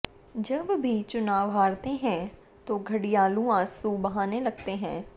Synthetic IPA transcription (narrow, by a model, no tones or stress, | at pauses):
d͡ʒəbbʱiːt͡ʃʊnaːʋɦaːɾt̪eɦɛ̃ː | t̪oːɡʱəɽijaːlũːãːsuːbəɦaːneːləɡt̪eːɦɛ̃ː